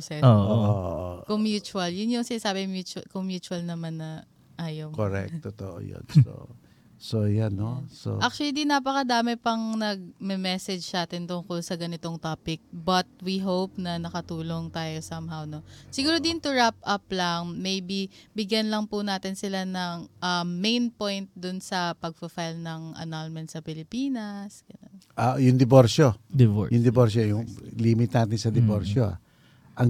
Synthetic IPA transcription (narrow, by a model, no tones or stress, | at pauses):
sɛoʔoo̰ʔo̰ʔo̰komjuːt͡ʃʊɐljʊnjʊŋsɪnaːsaːbɛmjuːt͡ʃɐkoŋmjuːt͡ʃʊɐlnɐmanːɐ | ʔaːjɐwkoɾɛ̰k̚t̪ot̪o̰ʔo̰jo̰nso̰ | sojanːoso̰ʔak̚t͡ʃwɐlid̪inɐp̬ɐkɐd̪aːmɪpɐŋnɐɡ̚mɛmɛsɛd͡ʒsaːt̪ɪnt̪ʊŋkolsɐɡɐnɪt̪oŋt̪aːpɪk̚bɐt̪̚wiɦowp̚nɐnɐkɐt̪uːlo̞ŋt̪aːjo̞samhawno̞sɪɡuːɾod̪ɪnt̪ʊɹap̚ʔɐp̚lɐŋmejbibɪɡjɐnlɐŋpʊnaːt̪ɪnsɪlanɐŋʔɐːejnpojnt̪̚d̪ʊnsɐpɐɡ̚fɐfajlnɐŋʔɐ̰nalmɛnt̪sɐpɪlɪpiːnɐsɡ̥ɐnonʔajʊŋd̪ɪboɾʃojʊŋd̪ɪboɾʃojʊŋlimɪt̪naːt̪ɪnsɐd̪ɪboɾʃoa̰ | ʔɐŋ